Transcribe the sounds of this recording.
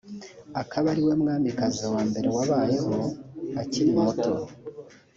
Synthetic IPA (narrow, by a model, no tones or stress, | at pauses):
akʰaβaɾiwe̞mŋaːmikazawaːmbe̞ɾe̞waβaːje̞ho̞aciɾimoto